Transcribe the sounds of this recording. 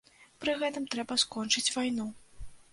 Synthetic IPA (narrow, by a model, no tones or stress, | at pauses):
pɾɨɣɛt̪ɨmt̪ɾɛbɐskɔnt͡ʂɨt͡sʲvajnu